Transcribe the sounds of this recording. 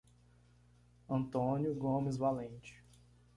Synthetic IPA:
ɐ̃nt̪õnjʊɡõmɪzvalẽnt͡ʃɪ̥

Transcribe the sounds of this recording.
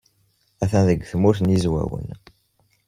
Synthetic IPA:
æθænðəɡʷːθmʊɾθnizwæ̰wə̰n

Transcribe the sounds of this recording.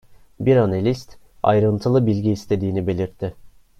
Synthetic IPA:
biɾanelʲist̪ | a̰jɾɯnt̪ʰɯlˠɯbilʲɟiːst̪ʰe̞d̪iːnibe̞lʲiɾt̪ʰːɪ

